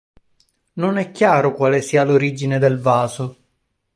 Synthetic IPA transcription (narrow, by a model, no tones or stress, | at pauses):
nonɛkːjaːɾokwaːlesiːaloɾiːd͡ʒined̪elvaːzo